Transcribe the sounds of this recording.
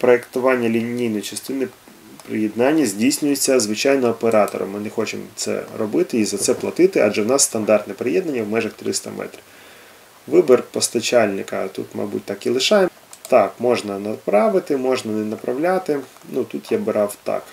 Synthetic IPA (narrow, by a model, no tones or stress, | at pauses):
pɾɔekt̪ʊʋɑnʲːɐlʲinʲijnɔjt͡ʃɐst̪ɪnɪ | pɾɪ̰jɛd̪nɑnʲːɐzʲdʲijsʲnʲʊjet͡sʲːɐzʋɪt͡ʃɑjnɔːpeɾɑt̪ɔ̰ɾɔ̰mːɪnɛxɔt͡ʃɪ̰mt̪sɛ̰ɾɔbɪt̪ɪizɐt̪sɛplˠɐt̪ɪt̪ɪɑ̰d͡ʒɛwnɑsːt̪ɐnd̪ɑrt̪nɛpɾejɛd̪nɐnʲːɐwmɛʒɐxt̪ɾɪ̰st̪ɐ̰mʔɛ̰t̪ɾʲ | ʋɪbɪrpɔst̪ɐt͡ʃɑlʲnɪkɐt̪ṵt̪mɐ̰bṵtʲt̪ɑkilˠɪʃɑj | t̪ɑkmɔʒnɐnɐpɾɑʋɪt̪ɪmɔʒnɐnɛnɐpɾɐʋlʲat̪ɪnut̪ut̪jabɪɾɑwt̪ɑ̰k